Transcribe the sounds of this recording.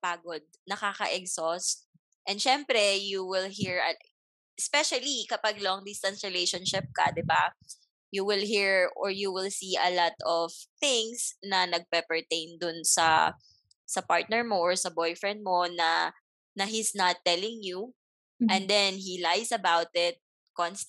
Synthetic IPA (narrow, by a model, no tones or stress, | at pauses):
paːɡod̪̚nɐkaːkɐ̰ʔɛɡsɔst̪̚ | ʔɛnd̪ʃɛmpɾɛjuwɪlɦiɹɐ | ʔɛspɛʃɐlikɐpaɡ̚lɔŋd̪ɪst̪ɐ̃nsɹɪlejʃɔnʃɪp̚kɐ̰d̪ɪba | juwɪlɦiɹɔɹjuwɪlsiɐ̰lat̪ɔv̥θɪ̃ŋsnɐnɐɡ̚pɛpɛɹt̪ẽjnd̪ʊnsɐ̰ | sɐpaɹt̪̚nɛɹmoʔɔɹsɐbɔjfɹɛnd̪̚monɐ̰ | nɐɦisnɐt̪ːɛlɪ̃ŋju | ʔɛ̃nd̪ɛnɦilajsɐbawt̪ɪt̪̚ | kɔns